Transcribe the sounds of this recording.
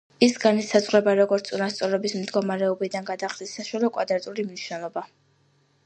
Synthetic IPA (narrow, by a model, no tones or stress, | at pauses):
isɡanisazʁɾɛbaɾɔɡɔɾt̪sʼunast̪sʼɔɾɛbismd̪ɡɔmaɾɛɔbid̪anɡad̪aχd̪isːaʃalɔkʼwa̰d̪ɾat̪ʼulimniʃwnɛlˠɔba